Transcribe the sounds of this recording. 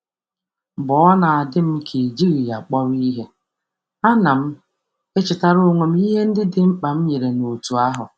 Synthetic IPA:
bɔ˨ɔ˦na˨a˨dɪ˦m̩˦kʰe˨d͡ʒi˦ɣi˨ja˨k͡pɔ˦ɾi˦ɦe˦ | a˦na˨m̩˦ | e˦t͡ʃɪ˨ta˦ɾo˦˨ŋʷe˨m̩˦i˦ɦe˦n̩˦dɪ˦dɪ˨m̩˦k͡pa˨m̩˦ɲe˨ɾe˨no˨tu˨a˦ɦʊ̰˨

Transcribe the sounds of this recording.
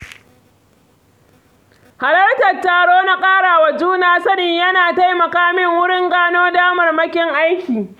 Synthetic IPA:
ha˨lɐ˦rtɐ˨tːaː˨ɽoː˦na˦kʼaː˦ɽaː˨wa˨d͡ʒuː˦naː˦sɐ˦nɪ˨ɲjɐ˦naː˨ta˦jmɐ˨kaː˦mɪ˦ŋwʊ˦ɽɪ˦ŋɡaː˦noː˦daː˦mɐ˨rmɐ˦kʲɪ˦ŋʔa˦jkʲiː˨

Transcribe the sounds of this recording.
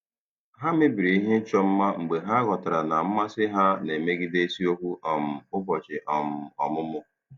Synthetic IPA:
ɦa˦mɪ˦bi˨ɾi˨i˦ɦe˦n̩˦t͡ʃɔ˦m̩˦ma˦ŋ͡m̩˨ɡ͡be˨ɦa˦a˦ɡɔ˨ta˨ɾa˨na˨m̩˦ma˦sɪ˦ɦa˦ne˨me˦ɡi˦de˦si˦o˦kʷu˦ʔɔ˨m̩˨ʊ˦bɔ˨t͡ʃɪ˨ʔɔ˨m̩˨ɔ˨mʊ˦mʊ˦

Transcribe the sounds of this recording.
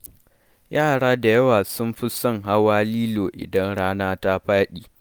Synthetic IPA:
jaː˦˨ɽaː˦da˨jɐ˦waː˨sʊ˦mɸɪ˦sɔ˦ŋɦa˦waː˦liː˦loː˨ʔɪ̰˨dɐ˦nɽaː˦naː˦ta˦ɸaː˦ɗiː˨

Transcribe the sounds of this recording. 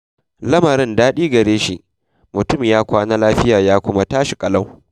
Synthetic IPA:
lɐ˦mɐ˨ɾɪ˦ndaː˦ɗiː˦ɡɐ˨ɾeː˦ʃi˦˨ʔ | mʊ˨tʊ˦˨mjaː˦kʷaː˦naː˦laː˦ɸɪ˦jaː˨jaː˦kʷʊ˦ma˦taː˦ʃi˨kʼɐ˦lɐ˦w

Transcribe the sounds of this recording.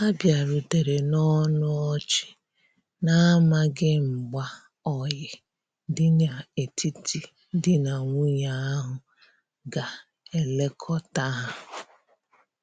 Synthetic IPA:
a˦bja˨ɾu˨te˨ɾe˨nɔ˦nʊ˦ɔ˦t͡ʃɪ̥˨ | na˦ma˦ɡɪ˦ŋ͡m̩˨ɡ͡ba˦ | ɔ˨jɪ˨ | dɪ˦na˨e˨tʰi˦tʰi˦ | dɪ˦na˨ŋʷu˦ɲa˨˦a˦ɦʊ˨ | ɡa˨ | e˨le˦kʰɔ˦ta˦ɦa˦

